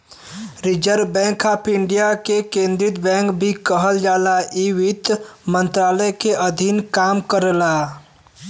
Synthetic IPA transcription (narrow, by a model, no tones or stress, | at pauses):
ɾɪd͡ʒəɾbɛ̃ːŋkaːpʰɪɳɖijakekẽːnd̪ɾɪt̪bɛ̃ːŋkbʱikəɦəld͡ʒaːlaʔiʋɪt̪mə̃nt̪ɾaːləjkeʔəd̪ʱinkaːmkəɾlaː